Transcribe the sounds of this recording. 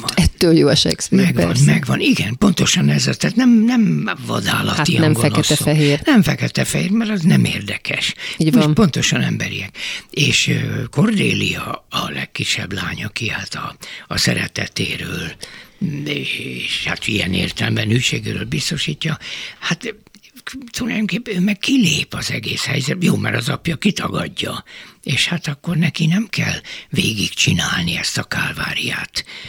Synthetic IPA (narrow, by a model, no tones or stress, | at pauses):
ɛt̪ːøːljoːɛʃɛ̰ksmɛɡnmɛɡʋɒniɡɛnpo̞nt̪o̞ʃɒnɛzɒt̪aːt̪nɛmnɛmvɒ̰d̪aːlɒ̰t̪ijɛmɡoɛnoɛsɛfɛɦeːrnɛɱfɛkɛt̪ɛfɛheːrmɛɾɒznɛmeːrd̪ɛkɛʃːnpo̞nt̪o̞ʃɒnɛmbɛɾiɛkeːʃko̞rd̪eːliɒːlɛkːiʃːɛblaːɲɒkihat̪ɒːsɛɾɛt̪ɛt̪eːɾøːl | eʃhat̪ijɛneːrt̪ɛlmbɛnyjʃeːɡeːɾøːlbist̪o̞ʃiːcːɒhat̪ | t̪ulajd̪omkeːpːøːmɛkkileːpɒzɛɡeːshɛjzɛt̪joːmɛɾɒzɒpjɒkit̪ɒɡɒɟːɒeːʃhat̪ɒkːo̞rnɛkinɛmkɛlveːɡikt͡ʃinaːlniɛst̪ɒkaːlvaːɾijaːt̪